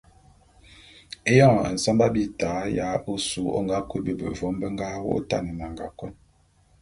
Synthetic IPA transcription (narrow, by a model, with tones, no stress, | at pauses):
e˦jɔ̃˦˨ə̰˨n̩˨sa˦mba˦bi˦taː˨˦ja˦ʔo˦su˨˦ɔ̰˦˨ŋɡa˦ku˦bə˦˨bə̰˨vɔ˨˦mbə˦ŋ˦ɡa˦wo̰˦ta̰˦˨nə˨na˨ŋɡa˨kwɔ˦n